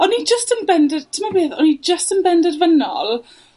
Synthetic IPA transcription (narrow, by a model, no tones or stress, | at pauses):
ɔnid͡ʒəstənbɛndɛrtʰɪmabeːðɔnid͡ʒəstənbɛndɛrvənɔ̰lˠ